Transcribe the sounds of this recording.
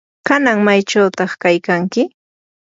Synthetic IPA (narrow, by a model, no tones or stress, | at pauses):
kanaŋmajt͡ʃawt̪ɑχkajkaŋkɪ